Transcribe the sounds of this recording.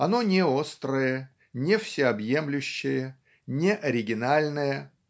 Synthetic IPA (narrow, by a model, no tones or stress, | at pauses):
ɐno̞nʲɪo̞st̪ɾəjə | nʲɪfsʲɪɐbjemlʲʉɕːɪjə | nʲɪʔɐɾʲɪɡʲɪnalʲnəjə